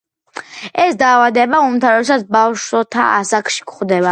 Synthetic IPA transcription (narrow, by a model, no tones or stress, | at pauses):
ɛsd̪aːvad̪ɛbaumt̪ʰaɾɔd̪ɛsat̪sʰbafʃɔt̪ʰa̰a̰sakʰʃi̥kχd̪ɛba